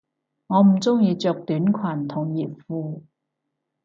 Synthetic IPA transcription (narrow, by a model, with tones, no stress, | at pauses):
ŋɔː˨˧m̩˨˩t͡sʊ˥ŋjiː˧t͡ʃœː˨k̚t̪yː˨˥nkʰwaː˨˩nt̪ʰʊ˨˩ŋjiː˨˩p̚fuː˧